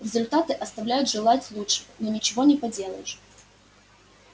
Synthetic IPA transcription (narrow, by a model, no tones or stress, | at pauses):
ɾʲɪzʊlʲt̪at̪ɨʔɐst̪ɐvlʲæjʊt̪ʐɨlˠatʲlˠutʂɨ̥nonʲɪt͡ɕɪvonʲɪpɐdʲe̞lˠə̰jɪʂ